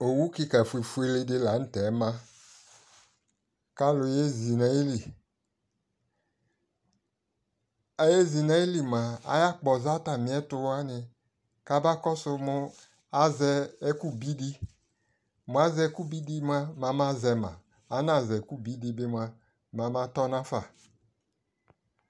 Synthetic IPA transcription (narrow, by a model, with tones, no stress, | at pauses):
o˨wu˦ki˧ka˨fu˨e˨fu˦e˧le˧dɪ˧la˨˦n̩˦tɛ˨˦mã˦ | ka˦lʊ˧je˦zi˨nɛ˨˦ji˦li˨ | a˦je˦zi˨na˨˦ji˦li˨ma˨a̰˨ja˦˨k͡pɔ˨za˦ta˨mĩ˨˦ɛ˦tʊ˧˦a˦nɪ˧ | ka˦ba˦kɔ˦sʊ˧mʊ˧ | a˨zɛ˧˦ku˦bi˦di˧ | mʊ˨a˦zɛ˧˦ku˦bi˦di˧m˦a˧ma˨ma˦zɛ˧mã̰˨ | a˨˦na˨zɛ˨ku˦bi˨˦di˧bɪ˧m˧a˧ | ma˨˦ma˧˦tɔ˦nã˦fa˨